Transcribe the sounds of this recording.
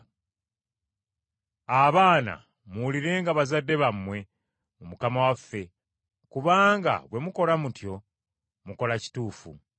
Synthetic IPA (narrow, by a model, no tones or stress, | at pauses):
aβaːna̰ | muuliɾe̞ːŋɡaβazadːe̞βamwe̞ | mumukamawafːe̞ | kuβaːŋɡa̰βwe̞muko̞lamutjo̞ | muko̞laci̥tuːfṵ